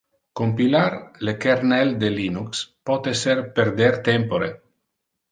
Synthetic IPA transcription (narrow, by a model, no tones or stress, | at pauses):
kompilarlekeɾnɛld̪elinukspɔt̪eserperd̪ɛrt̪ɛmpoɾe